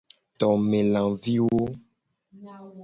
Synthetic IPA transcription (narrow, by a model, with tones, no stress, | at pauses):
t̪ɔ˨mẽ˨lã˨vi˦wo˦